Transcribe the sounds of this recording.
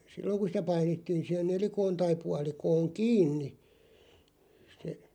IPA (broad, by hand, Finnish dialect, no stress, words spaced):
silːoŋ ku sĭtæ pɑinetːiːn̞ sih̆en nelikoːn tɑi puɑlikoːŋ kiːnːi se